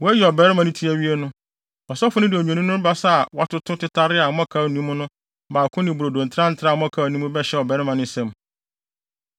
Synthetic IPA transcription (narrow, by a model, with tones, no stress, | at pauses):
wɔ˦æ˦jɛ˨ɔ˨bɛː˨˦ɾɪ˦mã˨nĩ˦tʰi˦æ˦wi˦e˦nʊ̃˦ | ɔ˨sɔ˦fʊ˦nɪ̃˦dɪ˨ɔ˨ɲᶣ˨ɛ̃˨nĩ˦nʊ̃˦ba˦sa˦a˨wa˦tʊ˦tʰʊ˦tɪ˦tʰa˦ɾɪ˦a˨m˦ɔ̃˦kʰa˨nĩ˦m˦nʊ̃˦ | baː˨kʰʊ̃˦nɪ̃˨bu˨ɾo˨dõ˨n̩˨tʰɾã˦n̩˨tʰɾa˦˨m˦ɔ̃˦kʰa˨nũ˦mũ˦bɛ˦ɕɛ˦ɔ˨bɛ˨˦ɾɪ˦mã˨nɪ̃˦sɛ̃˨m